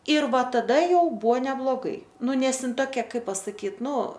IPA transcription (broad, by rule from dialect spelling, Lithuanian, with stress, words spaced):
ɪr ˈʋɐ tɐˈdɐ ˈjɛʊ ˈbuɔ nʲɛblˠoːˈɡɐɪ ˈnʊ ˈnʲɛs ˈɪn toːˈkʲɛ ˈkɐɪp pɐsɐˈkʲiːt ˈnʊ